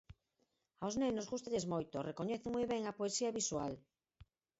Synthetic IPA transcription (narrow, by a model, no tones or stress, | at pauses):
awznenozɣust̪aʎezmojt̪orekoɲɛθemojβɛŋapoesiɐβiswal